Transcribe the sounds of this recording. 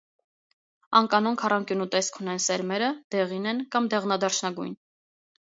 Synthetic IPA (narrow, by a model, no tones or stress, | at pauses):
ɑŋkɑnɔnkʰɑrɑŋkjunut̪ɛskʰunɛnsɛɾmɛɾəd̪̥ɛʁinɛnkɑmd̪ɛʁnɑd̪ɑɾt͡ʃʰnɑɡṵjn